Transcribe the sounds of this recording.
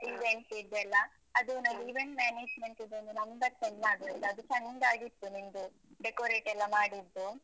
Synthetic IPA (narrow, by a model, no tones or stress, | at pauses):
iʋeɳʈid̪ɛlːɐ | ɐd̪unaɡiʋeɳʈmaːneːd͡ʒmeɳʈeb̪ɐnd̪unɐmbɐɾsenmaːɡ̪ɛlːɐɐd̪ut͡ʃɐŋdaːɡit̪ːunind̪u | ɖekoːɾeːʈɛlːɐmaːɽid̪ːu